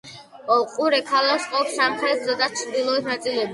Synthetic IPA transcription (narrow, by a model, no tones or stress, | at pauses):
ɔqʼuɾɛkʰalaksqʼɔpsamχɾɛt̪ʰzɔd̪ʼat͡ʃʰɾd̪ilˠɔit̪nat̪sʼilɛbi